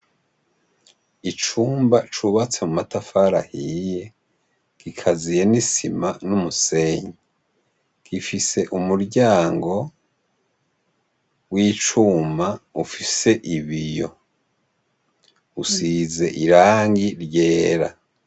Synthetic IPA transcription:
it͡ʃuːmbat͡ʃuβat͡se̞mumatafaɾahije̞ | ɡ̥ikʰazije̞nisimanumuse̞ːɲe | ɡ̥ifise̞ʔumuɾɟaːŋɡo̞ | wiːt͡ʃuːmaufise̞ʔiβijo̞̰ | usize̞ʔiɾaːŋɡiɾɟe̞ːɾa̰

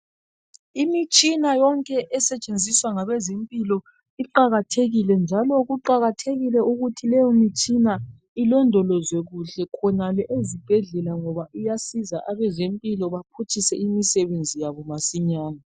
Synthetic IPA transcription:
imit͡ʃʼinajɔŋkʼɛʔɛsɛt͡ʃʼend͡zʱiswaŋaβɛzempʼilɔ | iǃaɣatʰeɣilɛnd͡ʒʱalɔɣuǃaɣatʰeɣilɛuɣutʰilɛjɔmit͡ʃʼina | ilɔndʱɔlɔzweɣuɬɛkʰɔnalɛʔezib̥ʱɛɮɛlaŋɔβaʔujasizaʔaβɛzempʼilɔβapʰutʰisɛimisɛβend͡zʱijaβɔmasiɲaːna

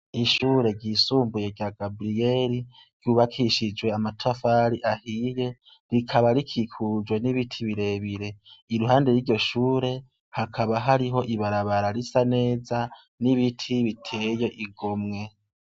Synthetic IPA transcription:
iʃuːɾe̞ɡɟiːsuːmbuje̞ɟjaːɡabɾije̞ɾi | ɾ̥ɟuːβakʰiʃid͡ʒwe̞amatʰafaɾiʔahije | ɾikʰaβaɾikʰikʰud͡ʒwe̞niβitʰiβiɾe̞βiɾe̞iɾuɦaːnde̞ɾiːɾɟo̞ʃuːɾe̞ | hakʰaβaɦaɾiɦo̞ʔiβaɾaβaɾaɾisane̞ːza | niβitʰiβitʰe̞je̞ʔiɡo̞mŋe̞

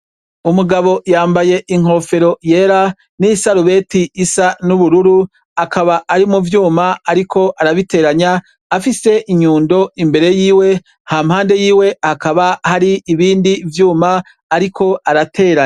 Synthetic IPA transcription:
umuɡaβo̞jaːmbaje̞ʔiŋ̥o̞ːfe̞ɾo̞je̞ːɾa | nisaɾuβe̞ːtiːsanuβuɾuɾu | akaβaːɾimuvjuːmaaɾikʰo̞ʔaɾaβite̞ːɾaɲaː | fise̞ʔiɲuːndo̞imbe̞ɾe̞jiːwe̞ | haːmhaːnde̞jiːwe̞hakaβahaɾiːβiːndivjuːmaː | ɾikʰo̞aɾatʰe̞ːɾaɲa

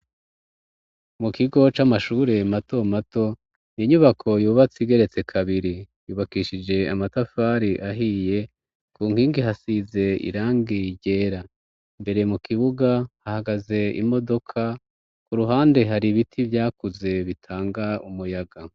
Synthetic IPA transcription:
mukiɡo̞t͡ʃamaʃuːɾe̞mato̞mato̞ | niiɲuβakʰo̞juːβat͡siɡe̞ɾe̞t͡se̞kʰaβiɾi | juːβakiːʃid͡ʒe̞amatafaːɾiʔaɦije̞ | kuːŋ̥hiːŋɡiɦasize̞ḭɾaːŋɡiɟe̞ːɾa | mbe̞ɾemukiβuɡahahaɡaze̞ḭmo̞do̞kʰa | kuɾuɦaːnde̞ɦaɾiβitʰivjaːkuze̞βitʰaːŋɡaumujaɡa

